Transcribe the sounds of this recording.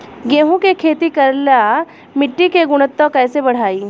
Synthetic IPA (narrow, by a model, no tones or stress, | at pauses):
ɡẽːɦũkekʰeːt̪ikɐɾla | mɪʈːikeɡʊɽ̃ət̪ːõkɛːsebɐɽ̤aːiː